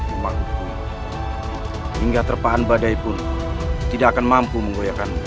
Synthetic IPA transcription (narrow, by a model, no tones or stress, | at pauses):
maku | hiŋɡat̪ərpaʔːnbadajpʊn | t̪idaʔakanmampuməŋɡojakan